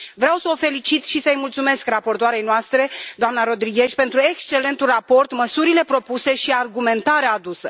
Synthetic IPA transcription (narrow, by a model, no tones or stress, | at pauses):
vɾeawsəofe̞lit͡ʃit̪ʃisəəjmult̪sume̞skrapo̞rt̪oaɾe̞jnoast̪ɾe̞d̪oamnaɾo̞d̪ɾiɡʲe̞ʃʲpe̞nt̪ɾue̞kst͡ʃe̞le̞nt̪ulrapo̞rt̪məsuɾile̞pɾo̞puse̞ʃiarɡume̞nt̪aɾeaːd̪usə